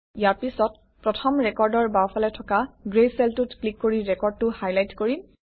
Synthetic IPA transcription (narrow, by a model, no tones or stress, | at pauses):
ijaɹpisɔt̚ | pɹɔtʰɔmɹɛkɔɹdɔɹbawpʰalɛtʰɔkaɡɹejsɛltutklikːoɹiɹɛkɔɹd̚tʊhajlajtkoɹi